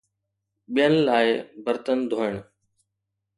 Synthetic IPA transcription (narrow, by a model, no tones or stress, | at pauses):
ɓijənlaːɪbəɾt̪ənd̪ʱoːɪɳ̃